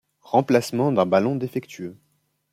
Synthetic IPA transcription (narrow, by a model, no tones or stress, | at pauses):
ʁɑ̃plasmɑ̃d̪ɛ̃balɔ̃d̪efɛkt̪ʰyø